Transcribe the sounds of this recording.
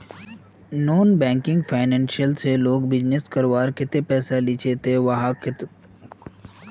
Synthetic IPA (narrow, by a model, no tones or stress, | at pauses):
noːnbɛ̃ːŋkɪ̃ŋɡfʰaːɪnɛ̃ːnʃijəlseloːɡbɪd͡ʒneskəɾʋaːɾkɪt̪epɛːsalɪt͡ʃʰet̪eʋɐɦakɪt̪